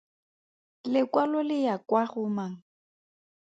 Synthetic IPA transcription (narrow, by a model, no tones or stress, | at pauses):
lɪkwalɔlɪjakwaɣʊmaŋ̩